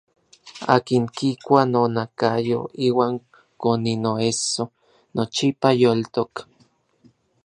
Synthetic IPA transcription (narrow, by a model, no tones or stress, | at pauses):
a̰ːkiŋkikʷanonakajo̰iːwaːŋ | koninoeso | not͡ʃipajolt̪ok